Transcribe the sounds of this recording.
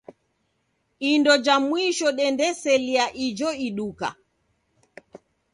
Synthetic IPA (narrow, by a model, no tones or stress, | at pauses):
indɔd͡ʒamwiʃɔɗɛndɛsɛliaʔid͡ʒɔiɗuka̰